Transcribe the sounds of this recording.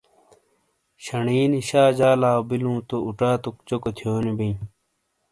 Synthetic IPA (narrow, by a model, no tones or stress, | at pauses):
ɕɐɳiːniɕaːd͡ʑaːlaːbilũːt̪ouʈaːt̪ok̚t͡ɕokot̪ʰjoːnibii